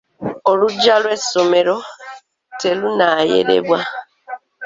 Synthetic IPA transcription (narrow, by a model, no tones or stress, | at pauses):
oluɟːalwe̞so̞me̞ɾo̞ | te̞lunaːje̞̰ɾe̞̰βwa